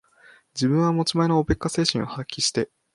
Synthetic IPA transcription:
d͡ʑibɯ̟̃ɰ̃βamot͡ɕimaenoope̞kːase̞ːɕĩɰ̃o̞hakʲːiɕi̥t̪e̞

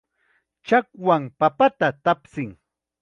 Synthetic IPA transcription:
t͡ʃakwampapat̪at̪apsɪŋ

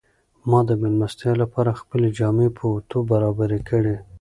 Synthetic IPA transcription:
mɑd̪əmɪlmast̪elapɑɾaxpəled͡ʒɑmepʰət̪obaɾɑbaɾekʰəɽe

